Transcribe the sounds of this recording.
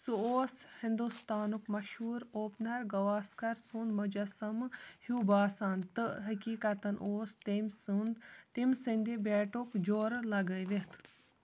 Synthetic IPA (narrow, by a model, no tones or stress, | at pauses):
suoːshind̪ust̪aːnukmɐʃhuːɾoːpnɐɾɡɐʋaːskɐɾsund̪mɐd͡ʒɐsɐmhubaːsaːnt̪ɨɦɐkiːkɐt̪ɐnʔoːst̪emsund̪t̪imsɨnʲd̪ibeːʈukd͡ʒoːɾlɐɡəjʋet̪ʰ